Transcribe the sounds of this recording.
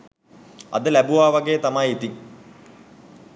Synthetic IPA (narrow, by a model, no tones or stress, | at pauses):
ɐ̰d̪əlæbuʋaːʋaɡejət̪amajit̪iŋ